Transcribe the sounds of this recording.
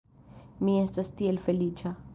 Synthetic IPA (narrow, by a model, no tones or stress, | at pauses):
mĩẽst̪ɐst̪ielfeliːt͡ʃʰa